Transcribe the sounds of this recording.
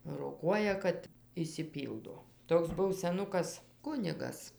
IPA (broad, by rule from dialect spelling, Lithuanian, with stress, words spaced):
roːˈkuɔjɛ kɐt ɪʃʲsʲɪˈpʲiːlˠdoː ˈtoːks ˈbʊw sʲɛˈnʊkɐs ˈkʊnʲɪɡɐs